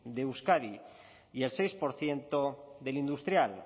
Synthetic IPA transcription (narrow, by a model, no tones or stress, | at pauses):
ðeuskaði | ie̞lse̞jspo̞ɾθje̞nt̪oðe̞lind̪ust̪ɾjal